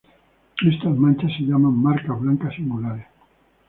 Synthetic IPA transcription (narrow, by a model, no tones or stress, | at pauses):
est̪azmãnʲt͡ʃaseʎamamːaɾkaβlaŋkasimulaɾe